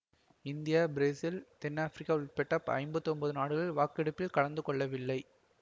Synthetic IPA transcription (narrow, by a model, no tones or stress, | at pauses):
ɪnd̪ɪjaːbɪɾeːsɪlt̪ɛnːaːfɾɪkːaːɯɭpɛʈːɐpɐ̰ɪmbɐt̪ːɔmbɐðɯnaːɽɯɣɐɭʋaːkɛɽɐpːɪlkɐɭɐnd̪ɯkɔɭːɐʋɪlːɐɪ